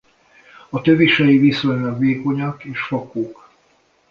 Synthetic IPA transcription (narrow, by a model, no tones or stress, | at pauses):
ɒt̪øviʃɛjivisojnɛkʋeːko̞ɲɒkeːʃfɒkoːk